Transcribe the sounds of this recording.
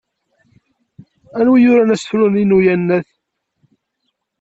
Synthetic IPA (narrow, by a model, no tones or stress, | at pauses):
ænwijʊɾænæsθluninujænːæθ